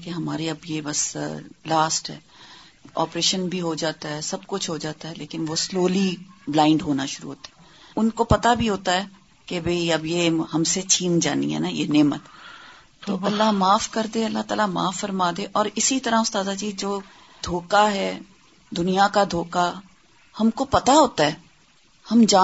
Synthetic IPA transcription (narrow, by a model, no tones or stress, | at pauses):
keɦɐmaːɾeɐbjebɐslaːsʈɦɛ̰ː | ɔ̰ːpɾeːʃənbʱiɦod͡ʒaːt̪aɦɛsɐbkʊt͡ʃʰɦod͡ʒaːt̪aɦɛleːkɪnʋosloːliblãːɪ̃ɳɖɦoːnaʃʊɾṵɦoːt̪ḁɦɛː | ʊnkopɐt̪abʱiɦoːt̪aɦɛː | kebʱɐiɐbjehɐmset͡ʃʰiːnd͡ʒa̰ːnḭɦɛ̰najḛneːmət̪ | t̪ːoɐlːaɦmaːfkɐɾd̪eɐlːat̪a̰ːlama̰ːfːɐɾmaːd̪ẽʔɔːɾɪsit̪ɐɾaʊst̪aːd̪ad͡ʒiːd͡ʒoː | d̪ʱoːkaɦɛː | d̪ʊnijakad̪ʱoːka | hɐmkopɐt̪aɦoːt̪aɦɛː | hɐmd͡ʒaː